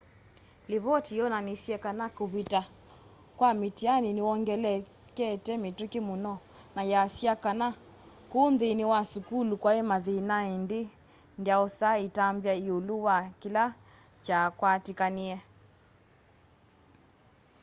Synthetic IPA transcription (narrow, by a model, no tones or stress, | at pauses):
liβɔtijɔnanisiɛkanakuβita | kwamitianiniwɔŋɡɛlɛ | kɛtɛmitukimunɔ | najasiakana | kunðiniwasukulukwaemaðinaindi | ndjaɔsaitambjaiuluwakila | t͡ʃakwatikaniɛ